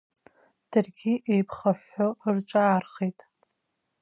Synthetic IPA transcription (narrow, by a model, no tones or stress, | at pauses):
d̥ɨrɡʲiʔejpʰχaħːort͡ʃʷʼaːrχejtʼ